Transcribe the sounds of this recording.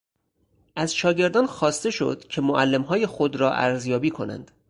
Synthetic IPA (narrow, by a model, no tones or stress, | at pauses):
ʔæzʃɒːɟe̞ɾd̪ɒːnxɒːst̪e̞ʃo̞̰d̪̥cʰe̞moʔælːemɦɒːje̞xod̪ɾɒːʔæ̰ɾzjɒːbiːkʰo̞næ̰nd̪̥